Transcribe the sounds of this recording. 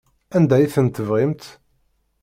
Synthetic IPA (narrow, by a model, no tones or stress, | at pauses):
ænd̪æjθənt̪əvʁɪmt̪